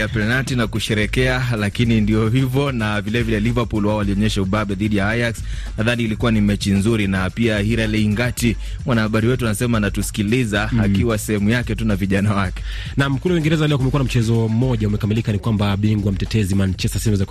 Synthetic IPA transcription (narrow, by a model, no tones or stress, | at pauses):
apɛnatinakuʃɛɾɛkɛalakinindijɔɦivɔnavilɛvilɛlivapulwaɔwaliɔɲɛʃauɓaɓɛðiɗijaajaksnaðaniːlikuwanimɛt͡ʃinzuɾinapiahiɾɛlɛiŋɡati | mwanahaɓaɾiwɛtuanasɛmanatusi̥kilizaakiwasɛhɛmujakɛtunaviʄanawakɛ̥ | namkuluawiŋɡɛɾɛzalɛɔk̬umɛkuanam̩t͡ʃɛzɔm̩mɔʄaumɛkamilikanikwambaɓiŋɡwam̩tɛtɛzimant͡ʃɛsasɛmuzak